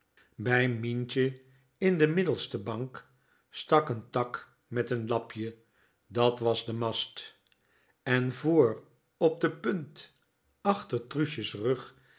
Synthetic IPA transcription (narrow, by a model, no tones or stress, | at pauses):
bɛjmint͡ʃə | ɪndəmɪdl̩ˠstəbɑŋk | stɑkəntɑk | mɛtənlɑpʰjə | dɑtʋɑzdəmɑst | ɛnvoːɹ | ɔp̚dəpɵnt | ɑχtərtruʃəsrɵχ